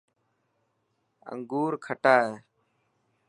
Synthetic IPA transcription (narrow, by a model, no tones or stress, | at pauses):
ə̰ŋɡuːɾkʰəʈaːeː